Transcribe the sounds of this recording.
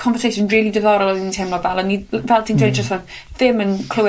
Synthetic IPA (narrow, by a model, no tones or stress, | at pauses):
kʰɔ̃nvəsʰejʃə̃nrɪːlˠidəðɔɾəlɔintʰemlˠɔvɛlˠənːivɛlˠtʰɪ̃ŋdwẽd͡ʒəsə | θɪmə̃nkʰl̥əw